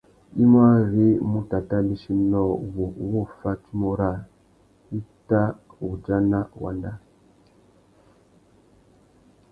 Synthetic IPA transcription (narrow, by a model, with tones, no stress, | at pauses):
i˦m˦a˦ɣi˦mu˦ta˨ta˦li˦ʃi˦nɔ˦˨wo˨wo˦fa˦t͡ʃi˦mo˦ɾa˦˨ | i˦ta˦wu˨d͡ʒa˦na˦wa̰˨nda˦